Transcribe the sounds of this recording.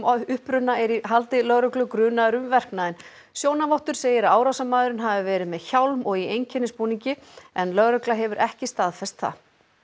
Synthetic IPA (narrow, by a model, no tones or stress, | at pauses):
ʏhpɾʏnːaɛɾiɦalt̪ɪlœɣɾœklʏkɾʏːnaɾʏmvɛr̥knaðɪn | sjoːwnavɔwht̪ʏɾ̥seːjɪɾaaːwɾawsamaːðʏɾʏnɦaːvɪvɛːɾɪmɛðçawlmɔɣiejɲcʰɛnɪspuːniɲcɪɛnlœɣɾœklaɦɛvʏɾʔɛhcɪst̪aːðfɛst̪θa̰